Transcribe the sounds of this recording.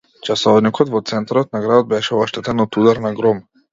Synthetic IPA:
t͡ʃasɔvnikɔt̪vɔt̪sɛnt̪aɾɔt̪̚naɡɾad̪ɔd̪̚bɛʃɛaʃt̪ɛt̪ɛnɔt̪ud̪aɾnaɡɾɔm

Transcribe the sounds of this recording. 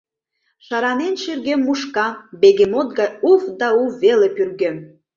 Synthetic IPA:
ʃɑɾɑnenʃerɣemːuʃkɑbeɣemot̪̚ɡɑjufd̪ɑuβelepyrɡem

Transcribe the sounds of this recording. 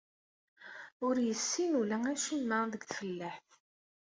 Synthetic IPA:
ʊɾjəsːinulææʃimːəðəɡθfəlːæħθ

